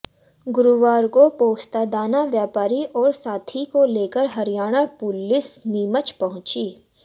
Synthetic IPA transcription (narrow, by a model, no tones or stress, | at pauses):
ɡʊɾuʋaːɾkopoːst̪ad̪aːnaʋjaːpaːɾiʔɔːɾsaːt̪ʰikoleːkəɾɦɐɾijaːɽ̃apʊlɪsniːmət͡ʃpɐɦʊ̃t͡ʃiː